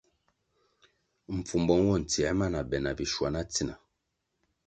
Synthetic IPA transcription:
m̩˨p͡fu˨m˨bɔ˦n˦wɔ˦˨n̩˨ti˨ɛ˨˦ma˦na˨bɛ˨na˨bi˨ʃwa˨na˦t͡si˦˨na˨

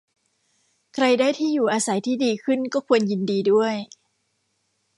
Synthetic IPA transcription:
kʰɾa˧jdaː˥˩jt̪ʰiː˥˩juː˨˩ʔaː˧sa˩˦jt̪ʰiː˥˩diː˧kʰɯ˥˩nkɔː˥˩kʰu˧ənji˧ndiː˧du˥˩əj

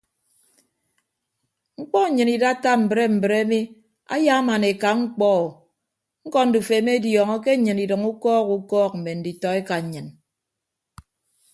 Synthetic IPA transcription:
ŋ͡m̩˦k͡pɔ˦ɲ̩˨ɲɨ˨ni˨da˦ta˦m̩˨bɾe˦m̩˨bɨ˨ɾe˦mi˦ | a̰˦ja˦ma˨ne˨ka˨ŋ͡m̩˦k͡pɔ˦˨ | ŋ̩˦kɔ˦n̩˦du˨fe˨˦me˦djɔ˨ŋɔ˦k̬e˦ɲɨ˨ni˨dɨ˨ŋu˦kɔː˦ku˦kɔː˦k̚m̩˨me˨n̩˨˦di˨tɔ˨e˦ka˨ɲ̩˨ɲɨ˨n

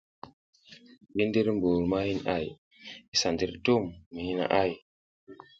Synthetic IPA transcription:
ɡi˦n˦di˦ɾmbu˨ɾma˦hi˦na̰˦˨j | i˦sa˨ndi˦ɾtu˦˨mːi˨hi˦na̰˨ʔa˦˨j

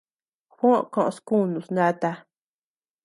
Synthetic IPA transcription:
xõ˦ʔkõ˧ʔõ̰˧sku˦˨nũ˨snã˦t̪a˧

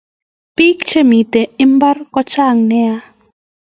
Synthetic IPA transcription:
pi˦kt͡ʃe˦˨mi˨te˨ɪ˦mba˦rkɔ˦t͡ʃa˦˨ŋnɛ˦a˦

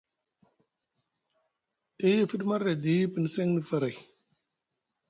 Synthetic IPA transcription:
i˦ji˦˨fi˦ɗma˦ɾa˨di˨ji˦pə˨n˨se˦ŋni˨fa˨ɾa˨j

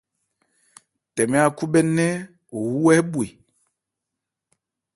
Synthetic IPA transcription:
tɛ˨mɛ˦a˨ku˦bɛ˦nɛ˦ | o˨wu˦wɛ˦bwi˨

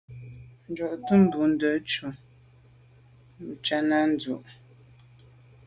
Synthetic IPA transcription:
n̩˨d͡ʒɔ˨ʔtu˦m̩˦bu˨n̩˦də˨˦t͡ʃu˨ | m̩˨t͡ʃa˦na˦n̩˨˦d͡zu˨ʔ

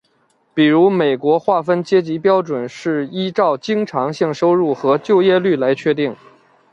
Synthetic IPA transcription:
pi˨˩ɻu˧˥me˨˩ɪkwɔ˧˥xwa˥˩fə˥nt͡ɕjɛ˥t͡ɕi˧˥pjɑ˥ʊʈ͡ʂwə˨˩nʂɻ̩˥˩i˥ʈ͡ʂɑ˥˩ʊt͡ɕi˥ŋʈ͡ʂʰɑ˧˥ŋɕi˥˩ŋʂo˥ʊɻu˥˩xɤ˧˥t͡ɕjo˥˧ʊjɛ˥˧ly˥˩la˧˥ɪt͡ɕʰɥɛ˥˧t̪̬i˥˩ŋ

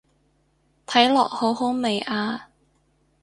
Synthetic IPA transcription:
t̪ʰɐ˨˥jlɔː˨k̚ho˨˥wɦo˨˥wme˨˩jʔaː˧

